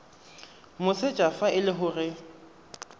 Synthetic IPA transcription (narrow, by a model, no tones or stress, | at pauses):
mʊset͡ʃʼafaɪlɪɦʊrɪ